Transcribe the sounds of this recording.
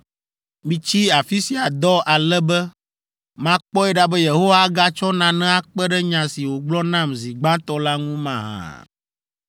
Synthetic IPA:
mĩ˦t͡ɕi˦a˨fi˦si˨a˨d̪ɔ˦ʔa˨lɛ˦bɛ˦ | mã˦k͡pɔ˦ɛ˦ɖa˦bɛ˦je˨ɦo˦wa˦ɡa˦t͡ʃɔ˦nã˨nɛ̃˦a˨k͡pɛ˦ɖɛ˦ɲã˨si˨wo˨ɡ͡blɔ˦nã˦˨mzi˨ɡ͡bã˦t̪ɔ˦la˦ŋũ˦mã̰˨ɦã̰˨

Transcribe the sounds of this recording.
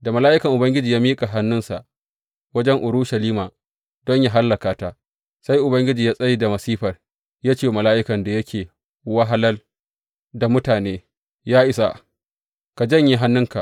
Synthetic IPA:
da˨mɐ˨laː˦ʔɪ˦kɐ˨ʔʊ˨bɐ˦ŋɡʲɪ˦d͡ʒiː˨jaː˦miː˦kʼa˨ɦa˦nːʊ˦nsa̰˨ʔ | wɐ˦d͡ʒɛ˦ŋʔʊ˨ɾʊ˦ʃɐ˨liː˦maː˨ | d̥ɔ˦ɲja˦ɦa˦lːɐ˨kaː˨˦ta˦ʔ | sa˦jʔʊ˨bɐ˦ŋɡʲɪ˦d͡ʒiː˨jaː˦sʼɐ˦ji˨da˨mɐ˨siː˦ɸɐ˨r | ja˦t͡ʃeː˦mɐ˨laː˦ʔɪ˦kɐ˨nda˨jɐ˦kʲʰeː˨ | wɐ˦ɦa˦lɐ˦l | da˨mʊ˦taː˨neː˦ | jaː˦ʔɪ˨sa˨ | ka˨d͡ʒɐ˦˨ɲji˦ɦa˦nːʊ˦ŋka̰˨ʔ

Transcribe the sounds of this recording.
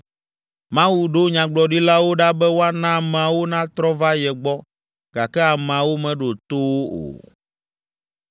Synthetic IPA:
mã˦wu˦ɖo˦ɲã˨ɡ͡blɔ˨ɖi˦la˦wo˦ɖa˦bɛ˦wo˦a˦nã˦˨m˨a˨wo˦nã˦t̪ɾɔ˦va˦jɛ˨ɡ͡bɔ˦ | ɡ̥a˨kɛ˦a˨m˨ã˨wo˦mɛ̃˨ɖo˨t̪o˦wo˦o̰˨

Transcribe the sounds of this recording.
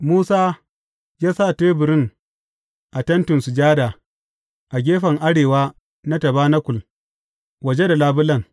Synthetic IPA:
muː˦saː˦ | jaː˦saː˦˨teː˦bʊ˨ɾɪ˦ŋ | ʔa˨tɐ˦ntʊ˨nsu˨d͡ʒaː˦da˨ | ʔa˨ɡʲeː˦ɸɐ˨ŋʔa˦ɽeː˨waː˦ | na˦tɐ˨baː˦na˦kʷʊ˨l | wɐ˨d͡ʒe˦da˨laː˦bʊ˦lɐ˨ŋ

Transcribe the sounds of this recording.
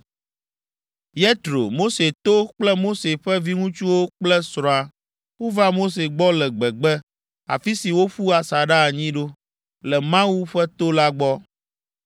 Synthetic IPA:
jɛ˦t̪ɾo̰˨mo˦se˨t̪o˦k͡plɛ˦mo˦se˨ɸɛ˦vi˦ŋũ˦t͡ʃu˦wo˦k͡plɛ˦sɾɔ̃˨a˨ | wo˦va˦mo˦s̬e˨ɡ͡bɔ˦lɛ˨ɡ͡bɛ˨ɡ͡bɛ˦ | a̰˨fi˦si˨wo˦ɸu˦a˨sa˨ɖa˦˨ɲĩ˦ɖo˦ | lɛ˨mã˦wu˦ɸɛ˦t̪o˦la˦ɡ͡bɔ˦

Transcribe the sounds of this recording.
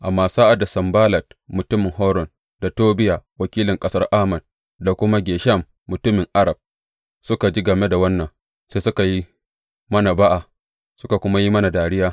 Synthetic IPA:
ʔa˨mːaː˦saː˦ʔa˨da˨sɐ˨mbaː˦lɐ˨t̚mʊ˨tʊ˦mɪ˨ŋɦɔ˦ɾɔ˨n | da˨toː˦bɪ˦jaː˨wɐ˨kʲiː˦lɪ˨ŋkʼɐ˦sɐ˦rʔaː˦mɐ˨n | da˨kʷʊ˦ma˦ɡʲeː˨ʃɐ˦˨mːʊ˨tʊ˦mɪ˨ŋʔa˦ɾa˨b̚ | sʊ˦ka˨d͡ʒi˦ɡɐ˨me˦da˨wɐ˦nːɐ˨ŋ | seː˦sʊ˦ka˨ji˦ | mɐ˦na˨ba˦ʔa˨ | sʊ˦ka˨kʷʊ˦ma˦ji˦mɐ˦na˨daː˨ɽɪ˦jaː˦

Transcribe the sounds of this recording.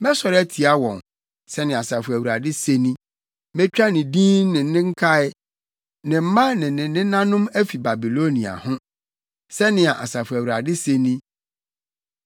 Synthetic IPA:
mɛ˦sɔ˨ɾæ˦tʰi˨a˦wɔ̃˨n | sɛ˦nɪ̃˨a˨sa˨fʊ˨æ˨wu˨ɾa˨dɪ˦se˦nĩ˦ | mɛ˦t͡ɕᶣa˦nɪ̃˨dĩː˦nnɪ̃˨˦nɪ̃˦ŋ̩˦kʰa˦ɪ˦ | nɪ̃˨m̩˦mã˦nɪ̃˨nɪ̃˨nɪ̃˦nã˦nʊ̃˦mæ˦fi˨ba˨bi˨lo˦nĩ˨a̰˨hʊ̃˦ | sɛ˦nɪ̃˨a˨ʔa˨sa˨fʊ˨æ˨wu˨ɾa˨dɪ˦se˦nĩ˦

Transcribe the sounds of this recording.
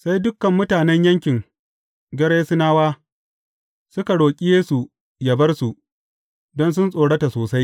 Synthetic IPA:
sa˦jdʊ˦kːɐ˨mːʊ˦taː˨nɛ˦ɲjɐ˦ŋkʲɪ˨ŋ | ɡʲɐ˦ɽeː˦sɪ˦naː˦waː˦ | sʊ˦ka˨ɽoː˨kʲʼɪ˦jeː˦su˨ | jɐ˨bɐ˦rsu˨ʔ | dɔ˦ns̬ʊ˦nsʼoː˨ɽɐ˦ta˨soː˨sa˦j

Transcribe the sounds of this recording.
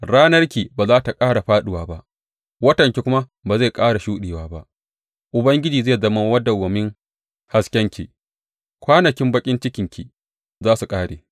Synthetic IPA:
ɽaː˦nɐ˦rkʲiː˨baː˨zaː˦ta˨kʼaː˦ɽa˨ɸaː˦ɗɪ˨waː˨ba˦ʔ | wɐ˦tɐ˨ŋkʲi˨kʷʊ˦ma˦baː˨za˦˨kʼaː˦ɽa˨ʃuː˦ɗeː˨waː˦ba˦ʔ | ʔʊ˨bɐ˦ŋɡʲɪ˦d͡ʒiː˨zeː˦˨zɐ˦ma˦wɐ˦dːa˨wɐ˨mɪ˦ŋ | ha˨skʲɛ˦ŋkʲḭ˨ | kʷaː˦nɐ˨kʲɪ˦mbɐ˦kʲʼɪ˦nt͡ʃɪ˦kʲɪ˨ŋkʲʰḭ˨ | zaː˦su˨kʼaː˦ɽeː˨

